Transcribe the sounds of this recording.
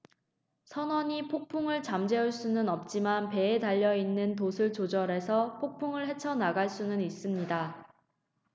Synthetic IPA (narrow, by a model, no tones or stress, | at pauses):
sʰʌnwʌɲipʰok̚pʰuŋɯɭt͡ɕamd͡ʑe̞uɭs͈unɯnʌp̚t͡ɕ͈imanpe̞ːtaʎːʌinːɯnt̬osʰɯɭt͡ɕod͡ʑʌɾe̞sʰʌpʰok̚pʰuŋɯɭɦe̞t͡ɕʰʌnaɡaɭs͈unɯnis͈ɯmɲida